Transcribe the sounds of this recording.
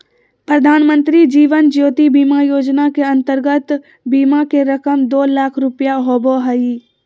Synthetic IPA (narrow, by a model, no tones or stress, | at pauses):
pɾəd̪ʱaːnmə̃nt̪ɾid͡ʒiːʋənd͡ʒjoːt̪ibiːmajoːd͡ʒnakeɐ̃nt̪əɾɡət̪ | biːmakeɾəkəmd̪oːlaːkʰɾʊpjaɦoːboɦəiː